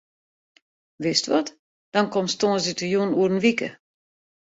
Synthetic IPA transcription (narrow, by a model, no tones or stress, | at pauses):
ʋɪstʋɔt | d̥ɔnkɔmstõənsditəjunuəɾənʋikə̰